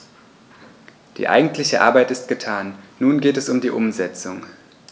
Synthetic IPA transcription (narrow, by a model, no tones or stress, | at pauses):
d̥ḭːʔa̰ɪɡŋ̩tʰlɪçəʔa̰ːɐbaɪtɪst̚ɡ̥ətʰaːnːuːnɡeːtɛsʊmdiːʔʊmzɛt͡sʊŋ